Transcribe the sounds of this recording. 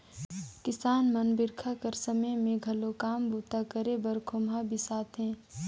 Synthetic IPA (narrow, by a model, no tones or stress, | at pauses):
kɪsaːnmɐnbɪɾkʰakɐɾsəməjmẽɡʱɐlokaːmbʱuːt̪akəɾebɐɾkʰoːmabʱisaːt̪ɦɛ̃ː